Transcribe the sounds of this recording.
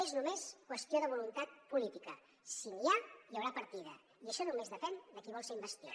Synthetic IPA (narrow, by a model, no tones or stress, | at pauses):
eznumeskwəst̪joðəβ̞ulunt̪at̪̚pulit̪ikə | siniajəwɾapəɾt̪iðə | iəʃɔnumezðəfɛnd̪əkiβɔlˠseɾimbəst̪jo̰